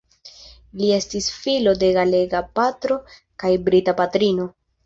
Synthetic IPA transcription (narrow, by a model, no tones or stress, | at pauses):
lie̞stisfilo̞de̞ɡale̞ɡapatɾo̞ | kajbɾitapatɾino̞